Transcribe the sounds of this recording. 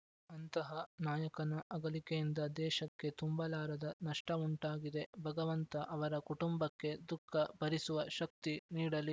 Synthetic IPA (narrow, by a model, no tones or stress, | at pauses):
ɐnt̪ɐɦɐnaːjɐkɐnɐʔɐɡɐlikejind̪ɐd̪ɛːʃɐkːe̞t̪umbɐlaːɾɐd̪ɐnɐʂʈɐuɳʈaːɡid̪e̞bʱɐɡɐʋɐnt̪ɐʔɐʋɐɾɐkuʈumbɐkːe̞d̪ukʰːɐbɐɾisuʋɐʃɐk̚t̪iniːɽɐli